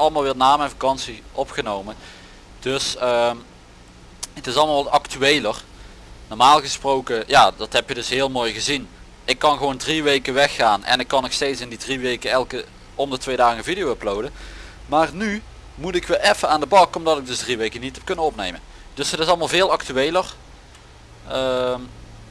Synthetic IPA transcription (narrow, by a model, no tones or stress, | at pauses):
ɑləmaːlˠʋɪːnaːmɛnvakɑnsiʔɔpχənowmə | d̥ɵsəː | ətɪsɑlˠəmalˠʋltɑktyejlər | nɔrmaːlˠɣəsprowkəjaːdɑtɦɛpjədɵsɦɪːlˠmoːjɣəzin | ɪkːɑnxəʋowndriʋejkəʋɛxːaːnʔɛ̰nɪkːɑnːoxstejtsɪndidriʋejkəɛlˠkə | ɔmdətʋejdaːɣənvidijowəplowdə | maːrny | mutɪkʋɪlʔɛfəaːndəbɑkɔmdɑtɪɡ̚dɵsdriʋejkənitɦɛp̚kɵnəɔpnejmən | d̥ɵsətɪsɑlˠmaːlˠvɪːlˠɑktyejlər | əm